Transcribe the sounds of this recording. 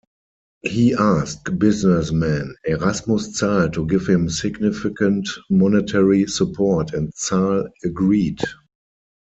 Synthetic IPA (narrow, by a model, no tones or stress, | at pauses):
hiːʔask̚bɪznɛsmɛ̃nɛʁasmʊst͡saɪltʰuɡɪfhɪ̃msɪɡnɪfɪkə̃ntmɔnɛtʰɛɹisupʰɔtʰɛ̃ntt͡saləɡɹiːd